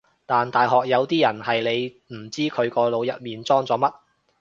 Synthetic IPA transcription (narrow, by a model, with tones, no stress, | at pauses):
t̪aː˨nt̪aː˨jɦɔː˨k̚jɐ˨˧wt̪iː˥jɐ˨˩nhɐ˨jle˨˧j | m̩˨˩t͡siː˥kʰɵ˨˧ɥkɔː˧lo˨˧wjɐ˨t̚miː˨nt͡sɔː˥ŋt͡sɔː˨˧˥mɐ˥t̚